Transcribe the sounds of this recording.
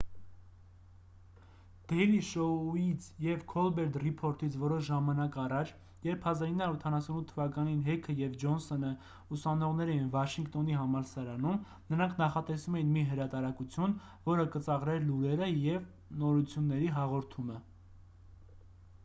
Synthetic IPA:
d̪̥ɛjliʃɔuit͡sʰjɛvkʰɔlbɛɾd̪ripʰɔɾt̪it͡sʰvɔɾɔʃʒɑmɑnɑkɑrɑt͡ʃʰ | jɛɾpʰhɑzɑɾinɑɾut̪ʰɑnɑsunut̪ʰːəvɑkɑninɦɛkʰəjɛvd͡ʒɔnsɔnə | usɑnɔʁn̪ɛɾɛjinvɑʃiŋkt̪ɔniɦɑmɑlsɑɾɑnum | nəɾɑŋkʰnɑχɑt̪ɛsumɛjinmiɦəɾɑt̪ɑɾɑkut͡sʰjun | vɔɾəkət͡sɑʁɾɛɾluɾɛɾəjɛv | nɔɾut͡sʰjunːɛɾiɦɑʁɔɾt̪ʰumə

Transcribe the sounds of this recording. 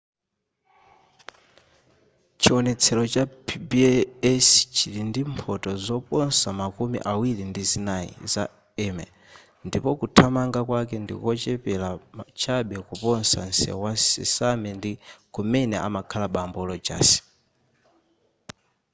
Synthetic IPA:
t͡ʃiwɔnɛt͡sʰɛlɔt͡ʃapʰbiɛst͡ʃiɾindimpʰɔtɔzɔpɔnsamakumḭʔawiɾindizinaḭza̰ | ɛmɛ̰ | ndipɔkutʰamaŋɡakwakɛndḭkɔt͡ʃɛpɛlat͡ʃʰaɓɛkupɔnsa̰nsɛ̰wasḭsamɛndikumɛnɛʔa̰makʰalaɓambɔlɔd͡ʒa̰ːsi̥

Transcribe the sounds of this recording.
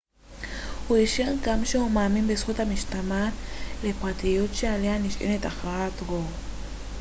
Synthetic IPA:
uiʃiŋkamʃeumamimbesot̪amiʃt̪amanlepat̪ʰijot̪t͡ʃaleaniʃḭnet̪ʼaχat̪ɡo

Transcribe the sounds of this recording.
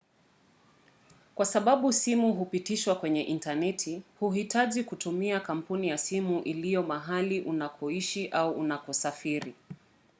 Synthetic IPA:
kwasaɓaɓusimuɦupitiʃwakwɛɲɛʔintanɛtʰihuɦitaʄikutumiakam̩punijasimuʔilijɔmaɦaliʔunapʰɔiʃiʔauʔunapɔsafiɾi

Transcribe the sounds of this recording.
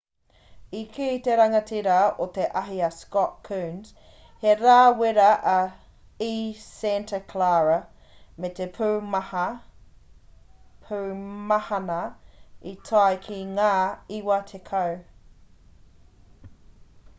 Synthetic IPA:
ikʰiːt̪eɾɐŋɐtʰiɾɐot̪eʔɐɦiɐskɔʔkʰʉːnz̥ | heɾaːweɾɐʔɐ | iːsɛntʰəkʰlaːɹɐ | met̪epʰʉːmɐhɐ | pʰʉːmɐhɐnɐit̪ʰajkʰiŋaːiwɐt̪ʰekʰɐw

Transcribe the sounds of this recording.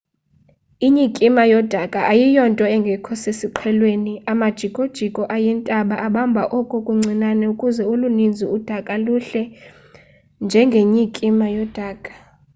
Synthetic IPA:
iɲikʼimajɔd̥ʱakʼaʔajijɔntʼɔɛŋɡʱɛkʰɔsesiǃʰɛlweniamad̥ʒ̥ʱikʼod̥ʒ̥ʱikʼɔʔajɛntʼaɓaʔaɓambʱaʔɔkʼukʼuŋ͡ǀʱinanɛukʼuzɛulunind͡zʱiud̥ʱakʼaluɬɛ | nd͡ʒʱɛŋɡʱeɲikʼimajɔd̥ʱaːkʼḁ

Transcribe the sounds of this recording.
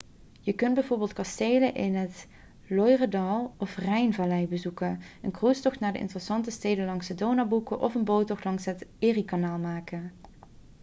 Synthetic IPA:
jəkɵnbɛjvʊːɹbɪːlˠt̚kɑstejləʔɪnɦət | lɔjrədɑlˠɔfrɛjnvalɛjbəzukənənkrustɔxtnaːɹdəʔɪ̰ntərəsɑntəstejdənlɑŋsədownabukəʔɔfənbowtɔxtlɑŋsɦətɪːrikanaːlˠmaːkən

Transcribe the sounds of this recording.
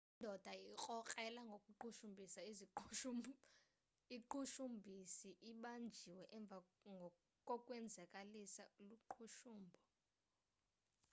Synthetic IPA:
indʱɔd̥ʱaik͡xʼɔkʼɛlaŋɡʱokʼuǃuʃumbʱisaizi | iǃuʃumbʱisiʔiɓand͡ʒʱiwɛʔɛɱb̪vʱaŋʱɔ | kʼɔkʼwɛnd͡zʱakʼalisauluǃʰuʃuːmbʱɔ

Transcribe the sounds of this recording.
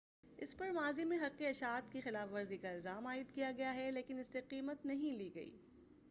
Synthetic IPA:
ɪ̰spɐɾmaːzimẽɦɐqːiɐʃaːt̪kexɪlaːfʋɐɾzikaɪlzaːmaːɪd̪kijaɡɐjaɦɛleːkɪnɪsːeqiːmət̪nɐɦĩliːɡɐḭː

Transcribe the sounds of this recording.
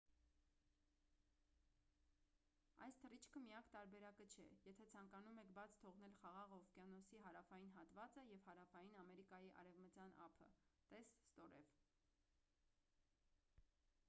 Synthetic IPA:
ɑ̰jst̪ʰərit͡ʃʰkʰəmijɑkt̪ɑɾbɛɾɑkət͡ʃʰɛjɛt̪ʰɛt͡sʰɑŋkɑnumɛkʰbɑt͡sʰt̪ʰɔʁnɛlχɑʁɑʁɔfkjɑnɔsiɦɑɾɑfɑjin̪ɦɑt̪vɑt͡səjɛvhɑɾɑfɑjinɑmɛɾikɑjiʔɑ̰ɾɛvmət͡sjɑnʔɑ̰pʰə̰t̪ɛsst̪ɔɾɛ̰v

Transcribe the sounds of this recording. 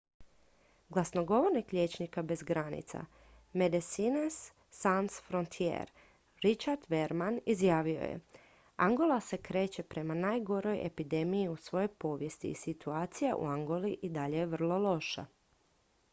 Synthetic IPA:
ɡlˠasno̞ɡo̞ʋo̞ɾnikʎʲet͡ɕnikabe̞zɡɾanḭt̪sa̰ | med̪esinesː | ansfɾo̞nt̪ʰiḛɾ | ɾit͡ʃaɾd̪ʋe̞ɾmanizjaːʋio̞̰jḛ | aŋɡo̞lˠase̞kɾe̞ːt͡ɕe̞pɾe̞manaːjɡo̞ɾo̞jʔḛpid̪e̞mijiusʋo̞jo̞jpo̞ːʋje̞st̪ḭːsit̪uaːt̪sijaʔṵaŋɡo̞liʔid̪aʎe̞jeʋr̩lˠo̞lˠo̞ʃa̰

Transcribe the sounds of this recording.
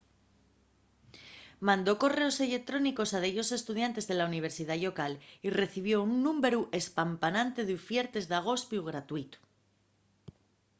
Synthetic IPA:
mãnd̪o̞ko̞re̞o̞se̞le̞k̚t̪ɾo̞niko̞saðeʎo̞se̞st̪uð̞jant̪e̞zðe̞launiβ̞e̞ɾsiðaʎo̞kalire̞θiβ̞jo̞unːumbe̞ɾuʔe̞spampanãnt̪e̞ðufje̞ɾt̪e̞zðaɣ̞o̞spjuɣɾat̪uit̪u̥

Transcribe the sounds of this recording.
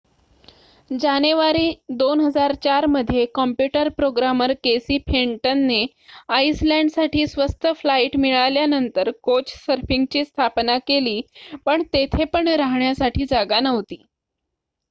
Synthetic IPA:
d͡ʑaneʋaɾiːd̪onɦəd͡zaɾt͡ɕaɾməd̪ʱːjekɔmpjuʈəɾpɾoɡɾaməɾkesiːpʰeɳʈənːe | aislæɳɖsaʈʰiːsʋəst̪ʰəflaiʈmiɭaljanənt̪əɾkot͡ɕsəɾfiŋɡt͡ɕiːst̪ʰapnakeliːpəɳt̪et̪ʰepəɳɾaɦɳjasaʈʰiːd͡zaɡanəʋt̪iː

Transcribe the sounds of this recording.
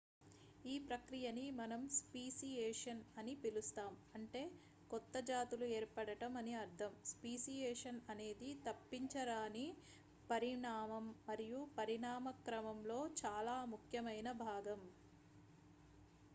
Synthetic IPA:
iːpɾɐkɾijɐnimɐnɐmspiːsijeːʂɐnɐnipilust̪aːmɐɳʈe̞ː | kɔt̪ːɐd͡ʒaːt̪ulueːɾpɐɽɐʈɐmɐniɐɾt̪ʰɐmspiːsijɛːʂɐnɐne̞ːd̪it̪ɐpːiɲt͡ʃɐɾaːni | pɐɾiɳaːmɐmːɐɾijupɐɾiɳaːmɐkɾɐmɐmlo̞ːt͡ʃaːlaːmukʰjɐmɐjnɐbʱaːɡɐm

